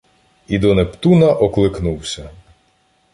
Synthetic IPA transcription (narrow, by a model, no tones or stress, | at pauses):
id̪ɔnept̪unɐʔɔklˠɪknuwsʲɐ